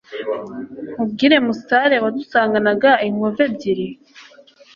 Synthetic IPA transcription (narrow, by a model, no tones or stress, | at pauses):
mubɡiːɾe̞musaɾewadusaːŋɡanaɡaimove̞bɟiɾi